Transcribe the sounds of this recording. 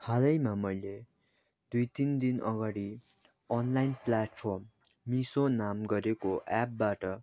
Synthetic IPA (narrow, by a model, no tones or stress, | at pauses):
halʌjmamʌjle | d̪ujt̪ind̪inʌ̰ɡaɽi | ʌnlajnplaʈpʰʌrmːisonamɡʌɾekoʔap̚baʈʌ